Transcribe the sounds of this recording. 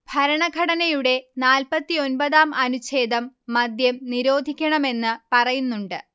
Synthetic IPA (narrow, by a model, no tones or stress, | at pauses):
bʱɐɾɐɳɐɡʱɐɽɐnɐjuɽe̞naːlpɐt̪ːio̞nbɐðaːmɐnut͡ɕe̞ːd̪ɐmːɐd̪jɐmniɾo̞ːd̪ʱikʲːɐɳɐme̞nːɨpɐrɐjunːuɳɖɨ